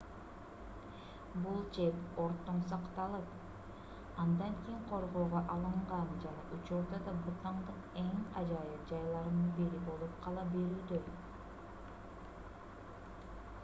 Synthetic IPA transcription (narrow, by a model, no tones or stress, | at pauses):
bulˠt͡ʃe̞po̞ɾt̪ːoɴsɑqt̪ɑlˠɯp | ɑnd̪ɑŋkʲijiŋqʰo̞ɾʁo̞ːʁoʔɑlˠɯɴʁɑnd͡ʒɑnɑʔut͡ʃuɾd̪ɑd̪ɑbut̪ɑɴd̪ɯqe̞ŋɑd͡ʒɑjɯp̚d͡ʒɑjlˠɑɾɯnɯnbeɾibo̞lˠupqʰɑlˠɑbe̞ɾyːd̪ø